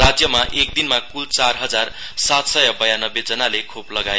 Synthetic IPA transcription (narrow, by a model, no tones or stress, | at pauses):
ad͡zjʌmaʔek̚d̪inmakult͡sarɦʌd͡zar | sat̪sʌjʌbʌjanʌbed͡zʌnalekʰoplʌɡae